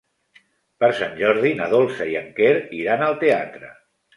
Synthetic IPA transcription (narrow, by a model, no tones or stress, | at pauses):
pəɾsanʲʒɔɾðinəðolˠsəiəŋkeɾiɾanəlˠt̪ea̰t̪ɾə̰